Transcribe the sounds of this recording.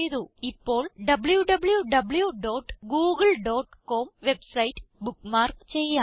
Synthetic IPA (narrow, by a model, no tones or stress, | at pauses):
jðuipːo̞ːɭɖɐbɭjuɖɐbɭjuɖɐbɭjuɖoːʈːɡuːɡɨɭɖoːʈkoːmʋe̞bsɐjtːɨ̥bukːmaːrkt͡ɕejːaː